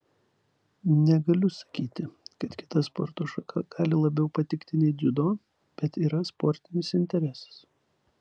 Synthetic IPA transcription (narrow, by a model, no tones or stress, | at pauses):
nʲɛɡɐlʲʊsɐ̥kʲiːt̪ʲɪkɐt̪kʲɪ̥t̪ɐspɔ̰ɾt̪oːʃɐkʰɐɡ̥ɑːlʲɪlˠɐbʲɛʊpɐt̪ʲɪkt̪ʲɪnʲɛɪd̪ʲʊd̪oː | b̥ʲɛt̪iːɾɐspɔɾʲt̪ʲɪnʲɪsɪnʲt̪ʲɛɾʲɛsɐ̥s